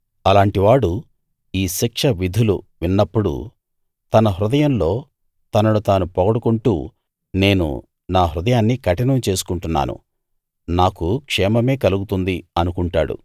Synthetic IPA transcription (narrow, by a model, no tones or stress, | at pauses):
ɐlaːɳʈiʋaːɽu | iːʃikʂɐʋid̪ʱulṵʋinːɐpːuɽṵ | t̪ɐnɐɦɾud̪ɐjɐmlo̞ː | t̪ɐnɐnut̪aːnupɔɡɐɽukuɳʈṵː | ne̞ːnṵ | naːɦɾud̪ɐjaːnːikɐʈɐnɐmt͡ʃe̞ːsu̥kuɳʈunːa̰ːnṵ | naːkukʂɛːmɐme̞ːkɐluɡut̪und̪iɐnukuɳʈa̰ːɽṵ